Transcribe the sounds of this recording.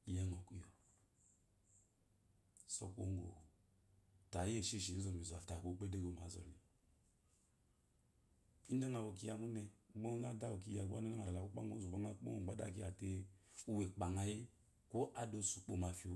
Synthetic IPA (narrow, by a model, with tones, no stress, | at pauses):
jɛ˦ŋɔ˨ku˦jɔ˨ | sɔ̰˦ko̰˦ŋ˦ɡo̰˨ | ta˨˦e˦˨ʃe˦˨ʃi˨˦zɔ˨mi˨zu˨a˨fta˨ko˨˦k͡pe˦de˦ɡo˨ma˨˦zɔ̰˨li˨ | i˦n˦a˦ŋa˨wo˨ki˦ja˨mu˦nɛ˧˦ɡ͡bo˦na˦da˦wo˨k̬i˦ja˨ɡa˦ne˦a˦ŋa˨la˨ku˦k͡pa̰˦ŋo˨˦zu˨bo˦ŋa˦k͡po̰˦o˨ɡ͡ba˨˦da̰˦˨k̬i˦ja˨te˦u˦we˨k͡pa˨ŋa˦je˦ | ko˦ʔa˨do˨su˨k͡po˨ma˨fi˨o˨